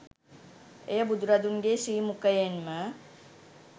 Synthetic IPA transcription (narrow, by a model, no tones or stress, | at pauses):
ejəbud̪uɾad̪unɡesiːmukəjenmə